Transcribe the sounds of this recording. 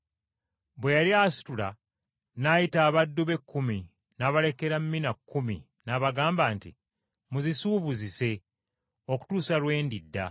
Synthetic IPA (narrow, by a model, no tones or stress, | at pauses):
βwe̞jaɾiasi̥tula | najitaːβadːuβe̞kːumi | naβale̞ke̞ɾamːinakːumḭ | naβaɡaːmbaːntḭ | muzisuːβuzise̞ | o̞ku̥tuːsalwe̞ːndidːa̰